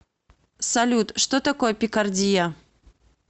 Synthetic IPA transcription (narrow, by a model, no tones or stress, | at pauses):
salʲut̪ʂt̪ɔt̪akɔjɛpʲikard͡zʲija